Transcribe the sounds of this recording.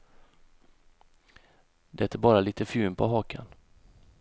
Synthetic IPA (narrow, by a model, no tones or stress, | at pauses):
d̪ɛt̪ʰæbɑːɾaliːt̪əfʉːmpʰɔ̰ɦɑːkʰə̰n